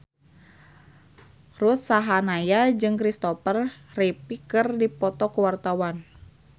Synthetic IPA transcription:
rut̪̚saɦanajad͡ʒɨŋkɾist̪ɔfər | ripikɨrdipɔt̪ɔkuwart̪awan

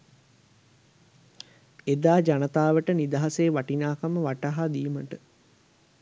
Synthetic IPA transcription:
ed̪aːd͡ʒanɐt̪aːʋəʈənid̪aɦaseːʋaʈinaːkaməʋaʈaɦad̪iːməʈə

